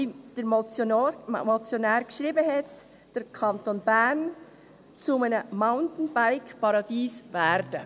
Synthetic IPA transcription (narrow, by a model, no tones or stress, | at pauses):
id̥ə | mɔt͡sjonɛːɾkʃɾiːbəhɛt | d̥əɾkʰɑntoːnbæɾn | t͡sumanəmaʊntn̩baɪkpɑɾɑdiːsvɛɾdə